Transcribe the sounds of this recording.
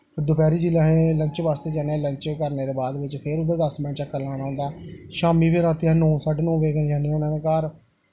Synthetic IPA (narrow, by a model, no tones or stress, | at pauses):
d̪ʊpɛːɾiːd͡ʒilaːɦẽːləɲt͡ʃʋaːst̪eːd͡ʒɛːneːləɲt͡ʃkəɾneːd̪eːbaːd̪ʋɪt͡ʃpʰɪɾʊd̪aːd̪əsmɛ̃ːɳt͡ʃəkːəlːãːnãːʊ̃ːnd̪aːʃaːmiːpʰeɾãːt̪iɛ̃ːnũːsaːɖnũːʋeːkənd͡ʒaːnioːnãːd̪eːkəɾ